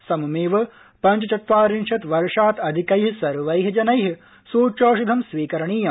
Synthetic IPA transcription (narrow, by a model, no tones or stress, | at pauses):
sɐmɐmeːʋɐ | pɐɲt͡ʃɐt͡ʃɐt̪ʋaːɾinʃɐt̪ʋɐɾʂaːt̪ɐd̪ʱikɐjɦisɐɾʋɐjɦid͡ʒɐnɐjɦi | suːt͡ʃoːʃud̪ʱɐmsʋiːkɐɾɐɳiːjɐ